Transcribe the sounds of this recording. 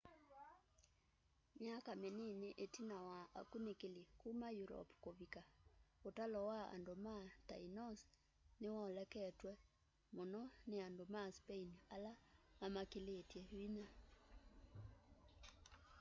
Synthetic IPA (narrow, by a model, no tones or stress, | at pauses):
mjakameneneʔetinawaa̰kunekelekumajuɾɔ̰pkoβikaotalɔwaa̰ndomata̰inɔs | newɔlɛkɛtwɛ | monɔneandomaspeinalamamakeletjɛina